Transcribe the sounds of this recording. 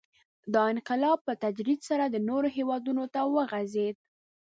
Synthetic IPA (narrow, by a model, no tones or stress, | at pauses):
d̪ɑɪnqɪlɑb̚pət̪ad͡ʒɾid̪saɾad̪ənoɾoɦewɑd̪unot̪awəɣazed̪̚